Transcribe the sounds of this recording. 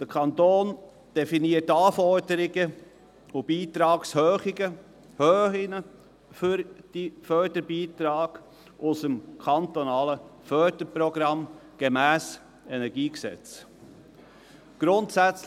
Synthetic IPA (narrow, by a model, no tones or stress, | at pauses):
d̥əɾkʰɑnt̪oːn | d̥ɛfiniətːɑːfɔɾdəɾɪɡə | ʊb̥iːt̪ɾɑːkshøːχɪɡə | høːɪnə | fyɾd̥ifœɾdəɾbiːt̪ɾɑːɡ̥ | ʔʊsəmkʰɑnt̪ɔnɑːləfœɾdəɾpɾɔɡɾɑmɡ̥emæːs | ɛnɛɾɡiːksɛ̰t͡s | ɡ̥ɾʊntsæt͡s